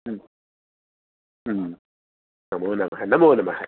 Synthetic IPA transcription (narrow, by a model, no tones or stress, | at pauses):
namonamaɦanamonamaha